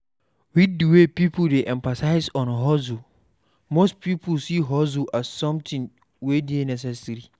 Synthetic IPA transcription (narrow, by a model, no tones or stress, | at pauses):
widuwepipʰuldeʔɛ̃mfasaɪzɔ̃nɦɔzu | mospʰipʰulsiɦɔzuʔazsɔ̃mtʰɪ̃ŋ | wedienɛs̬ɛsɾi